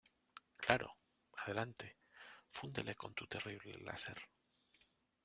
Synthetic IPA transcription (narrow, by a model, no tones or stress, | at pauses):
klaɾo̞̰ | að̞e̞lant̪e | fund̪elʔe̞ko̞nt̪ut̪e̞riβle̞̰la̰se̞ɾ